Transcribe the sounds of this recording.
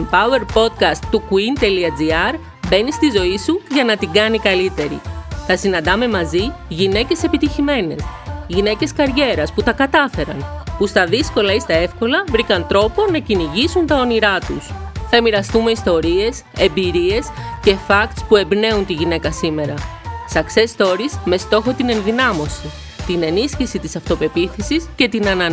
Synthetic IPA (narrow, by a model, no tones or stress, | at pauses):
mpɐue̞ɾpo̞t̪kɐst̪ːukuint̪eliɐd͡ziɐɾ | be̞nist̪izo̞isuʝɐnɐt̪iɡɐnikɐlit̪e̞ɾḭθɐsinɐnd̪ɐme̞mɐziʝine̞ce̞se̞pit̪içime̞ne̞sʝine̞ce̞skɐɾʝe̞ɾɐsput̪ɐkɐt̪ɐfe̞ɾɐ̰npust̪ɐðisko̞lɐist̪ɐe̞fko̞lɐvɾikɐnt̪ɾo̞po̞nɐciniʝisunt̪ɐo̞niɾɐt̪usθɐemiɾɐst̪umeist̪o̞ɾie̞s | e̞mbiɾie̞sce̞fɐkt̪spue̞bne̞unt̪iʝine̞kɐsime̞ɾɐsɐkse̞st̪o̞ɾisme̞st̪o̞xo̞t̪ine̞nðinɐmo̞si | t̪ine̞nisçisit̪isɐft̪o̞pe̞piθisisce̞t̪inɐnɐ